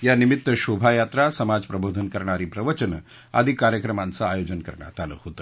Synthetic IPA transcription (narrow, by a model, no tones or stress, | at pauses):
janimit̪ːəɕobʱajat̪ɾasəmad͡zpɾəbʱod̪ʱənkəɾɳaɾiːpɾəʋət͡ɕənə | a̰d̪ʱiːkaɾjəkɾəmant͡saajod͡ʑənkəɾɳja̰t̪alə̰hot̪ə